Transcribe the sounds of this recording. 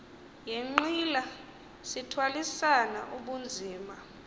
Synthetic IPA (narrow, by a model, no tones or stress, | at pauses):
jeŋ͡ǃila | sitʰwalisana̰ʔuɓund͡zʱiːma